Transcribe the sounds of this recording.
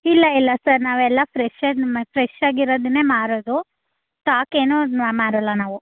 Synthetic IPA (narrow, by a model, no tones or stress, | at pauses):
ilːɐilːɐsɐɾnaːʋɛlːɐpʰɾeʃepʰɾeʃaːɡiɾoːd̪une̞ːmaːɾoːd̪u | ʈaːke̞ːnuamaːɾɐlːɐnaːʋu